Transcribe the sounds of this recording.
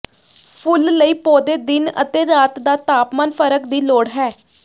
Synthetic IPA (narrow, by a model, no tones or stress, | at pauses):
pʰʊlːəiːpoːd̪eːd̪ɪnə̰t̪eːɾaːt̪d̪aːt̪aːpmaːnpʰəɾəkd̪iːloːɽɦɛː